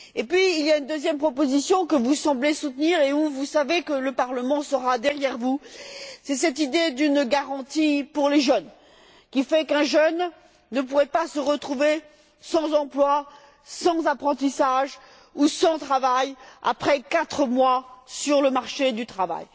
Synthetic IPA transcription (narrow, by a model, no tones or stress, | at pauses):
epɥiːlijaynd̪øzjɛmpχɔpozisjɔ̃kəvusɑ̃blesut̪niʁeuvusavekələpaʁləmɑ̃səʁad̪ɛʁjɛʁvusɛsɛt̪̬id̪ed̪ynɡaʁɑ̃t̪ipuʁleʒən | kʲifɛkɛ̃ʒœnː | əp̬uʁɛpasəʁət̪χuve | sɑ̃zɑ̃plwa | sɑ̃zapχɑ̃t̪isaʒ | usɑ̃t̪χavaja̰pχɛkat̪χəmwasyʁləmaʁʃed̪yt̪χava̰j